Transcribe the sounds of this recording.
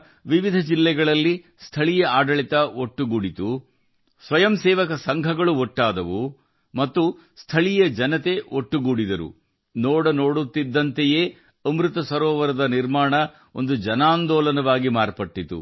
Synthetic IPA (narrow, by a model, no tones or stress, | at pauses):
ʋiʋid̪ʱɐd͡ʒilːɛɡɐɭɐlːi | st̪ʰɐɭijɐaːɖɐɭit̪ɐoʈːuɡuɽit̪u | sʋɐjɐmsɛːʋɐkɐsɐŋɡʱɐɡɐɭuoʈːaːd̪ɐʋu | mɐt̪ːu | st̪ʰɐɭijɐd͡ʒɐnɐt̪e̞oʈːuɡuɽid̪ɐɾṵ | noːɽɐnoːɽut̪ːid̪ːɐnt̪eje̞ː | ɐmɾut̪ɐsɐɾɔːʋɐɾɐd̪ɐniɾmaːɳɐ | o̞̰nd̪ud͡ʒɐnaːnd̪ɔːlɐnɐʋaːɡimaːɾpɐʈːit̪ṵ